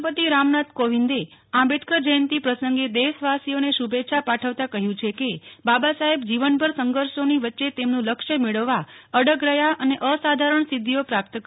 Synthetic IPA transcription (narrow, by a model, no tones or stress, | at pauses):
pət̪iɾamnat̪koʋind̪e | ãbeʈʰkəɾd͡ʒəjənt̪ipɾəsəŋɡed̪esʋasioneʃubeʃʰapaʈʰəʋt̪akəɦjũt͡ʃʰekebabasaɦebd͡ʒiʋənbʱəɾsəŋɡəɾʃoniʋətːʃet̪emnũləkʃəmeɭəʋːaəɽəɡɾəjaʔəneʔəsad̪ʱaɾəɳsid̪ʱːijopɾap̚t̪ək